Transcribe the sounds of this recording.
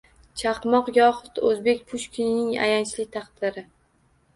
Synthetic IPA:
t͡ʃʰɑqmɒqjɒhʊt̪ɵzbe̞kʲpʰʊʃkʰʲɪnɪŋa̰jant͡ʃlɪt̪ʰɑqd̪̥ɪɾɪ

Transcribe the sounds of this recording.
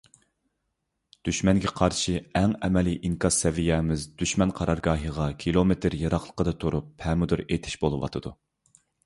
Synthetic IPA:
d̪̥yʃmɛnɡʲɛqʰɑɾʃiɛŋɛmɛliʔiŋkʰɑz̥sɛvijɛmɪzd̪yʃmɛnqʰɑɾɑɾɡɑːɦəʁɑkʲʰilˠomet̪ʰɪɾjɑɾɑχlˠə̥qəd̪ɑt̪ʰuɾup̚hɛmɪd̪uɾet̪ʰɪ̥ʃbolˠɨwɑ̰t̪ʰɨd̪̥u

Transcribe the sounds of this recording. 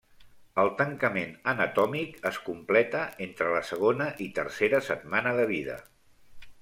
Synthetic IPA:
əlˠt̪əŋkəmenənət̪ɔmikəskumplɛt̪əʔent̪ɾələsəɣ̞onəʔit̪ərseɾəsəd̪̚manəðəβiðə̰

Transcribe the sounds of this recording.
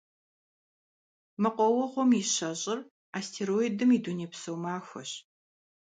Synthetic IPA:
mɐqʷɔwɔʁʷɔmjiɕɐɕʼɪr | astʰeːɾojdɨmiduneːpsɐwmaːxʷɐ̰ɕ

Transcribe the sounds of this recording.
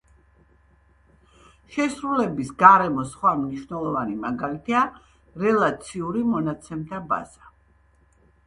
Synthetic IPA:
ʃɛsɾulɛbisɡaɾɛmɔsχwamniʃvnɛlˠɔvanimaɡalit̪ʰia | ɾɛlˠat̪sʰiuɾimɔnat̪sʰɛmt̪ʰaba̰z̥a

